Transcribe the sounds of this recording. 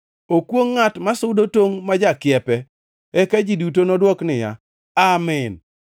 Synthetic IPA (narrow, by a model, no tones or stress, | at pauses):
okwoŋːatmasʊdotoŋmad͡ʒakɪjɛpɛ | ɛkad͡ʒidutonɔdwɔknɪja̰ | amɪn